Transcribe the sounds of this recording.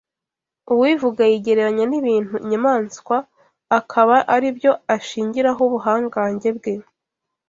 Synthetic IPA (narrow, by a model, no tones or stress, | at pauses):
uwivuɡajiɟe̞ɾe̞ɾaɲaniβiːn̥huɲamaːnskwaː | kʰaβaʔaɾibjo̞aʃiːɲɟiɾaɦoβuɦaːŋɡaːɲɟe̞bɡe̞